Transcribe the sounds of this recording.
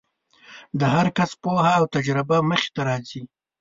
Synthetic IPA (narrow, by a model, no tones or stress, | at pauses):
d̪əɦaɾkaspohaːwt̪ad͡ʒɾɪbaməxe̥t̪aɾɑzi